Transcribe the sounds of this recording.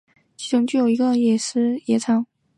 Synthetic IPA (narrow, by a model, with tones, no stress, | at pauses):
t͡ɕʰi˧˥ʊ˧˥ŋt͡ɕy˥˩jo˨˩ʊi˧˥ɡə˧jɛ˨˩ʂɻ̩˥jɛ˧˥t͡sʰɑ˧˥˦ŋ